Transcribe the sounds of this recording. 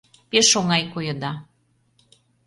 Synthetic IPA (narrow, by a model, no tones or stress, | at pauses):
peʃoŋɑjkojə̆d̪ɑ